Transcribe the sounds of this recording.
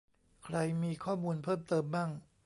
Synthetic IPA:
kʰɾa˧jmiː˧kʰɔː˥˩muː˧npʰɤː˥˩mt̪ɤː˧mba˥˩ŋ

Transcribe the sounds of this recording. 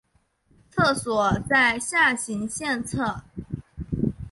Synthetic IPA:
t͡sʰɤ˥˩swɔ˨˩t͡sa˥˧ɪɕja˥˩ɕi˧˥ŋɕjɛ˥˧nt͡sʰɤ˥˩

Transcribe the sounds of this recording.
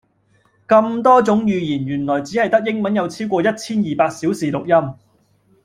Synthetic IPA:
kɐ˧mt̪ɔː˥t͡sʊ˨˥ŋjyː˨jiː˨˩njyː˨˩nlɔː˨˩jt͡siː˨˥hɐ˨jt̪ɐ˥k̚jɪ˥ŋmɐ˨˥njɐ˨˧wt͡sʰiː˥wkʷɔː˧jɐ˥t̚t͡sʰiː˥njiː˨˩paː˧k̚si˨˥wsiː˨lʊ˨k̚jɐ˥m

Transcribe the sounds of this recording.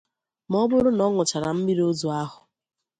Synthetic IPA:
mɔ˦bʊ˦ɾʊ˦nɔ˦ŋʊ˨t͡ʃa˨ɾa˨m̩˦mi˦ɾi˦o˦zu˨a˦ɦʊ˨

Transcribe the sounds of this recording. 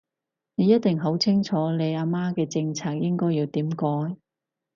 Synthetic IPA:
ne˨˧jɐ˥t̚t̪ɪ˨ŋɦo˨˥wt͡sʰɪ˥ŋt͡ʃʰɔː˨˥le˨˧jaː˧maː˥kɛː˧t͡sɪ˧ŋt͡sʰaː˥k̚jɪ˥ŋkɔː˥jiː˧wt̪iː˨˥mkɔː˨˥j

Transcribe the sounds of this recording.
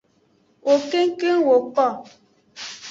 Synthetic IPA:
o˨ke˦ŋ˦ke˦ŋ˨wo˨k͡pɔ˦˨

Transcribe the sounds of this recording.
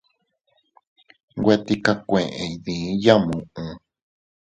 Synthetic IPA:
ɡʷe˦t̪i˧ka˧kʷẽ˨ʔẽ˨˧ðĩ˨˦ja˦mũ˨ʔũ˨

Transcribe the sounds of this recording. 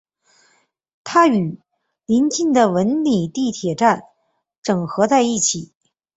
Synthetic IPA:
t̪ʰa˥y˨˩ | li˧˥nt͡ɕi˥˩nd̪ə˩wə˧˥nli˨˩t̪i˥˩t̪ʰjɛ˨˩ʈ͡ʂa˥˩n | ʈ͡ʂɤ˨˩ŋxɤ˧˥t͡sa˥˧ɪi˥˩t͡ɕʰi˨˩˦

